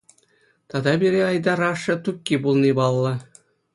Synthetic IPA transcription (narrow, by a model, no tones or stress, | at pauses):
t̪ɑd̪ɑbʲiɾʲeɑjd̪ɑɾɑʂːɤ̆t̪ukʲːibulˠnʲibɑlˠːɤ̆